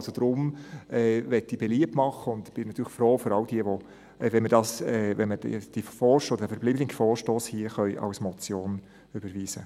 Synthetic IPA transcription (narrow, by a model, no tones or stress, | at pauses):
lsod̪̥ɾʊmɛːʋɛtːib̥ɛliəp̚tmɑχəʊnd̪b̥ɪnɑt̪ʰyːɾəχfɾoːføɾɑwd̥iəʋo | ɛvɛnmədɑsɛːvɛnməɛd̥ifɔːɾʃɔdədæfəɾbliːblɪɡfɔːʃtoːshiəχœʏʔɑ̰wsmɔt͡sjoːn | ʏb̥əɾviːsə